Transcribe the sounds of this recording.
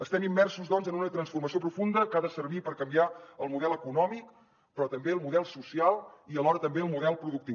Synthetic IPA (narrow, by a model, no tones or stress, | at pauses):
əst̪ɛmimːɛrsuzdɔnzənunət̪ɾənsfurməsiop̬ɾufund̪əkaðəsərβipəɾkəmbiaəlˠmuðɛləkunɔmik | pɾɔt̪əmbeəlˠmuðɛlˠsusialˠiəlɔɾət̪əmbeəlˠmuðɛlˠpɾuðukt̪i